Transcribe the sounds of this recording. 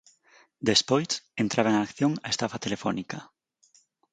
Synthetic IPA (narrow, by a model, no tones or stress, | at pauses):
d̪espojsent̪ɾʔaβɐeŋaːkθjoŋɐ̰est̪afɐt̪elefɔ̰nikɐ